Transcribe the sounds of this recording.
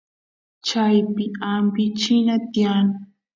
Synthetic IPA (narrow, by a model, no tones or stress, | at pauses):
t͡ʃajpɪampɪt͡ʃɪnat̪ɪan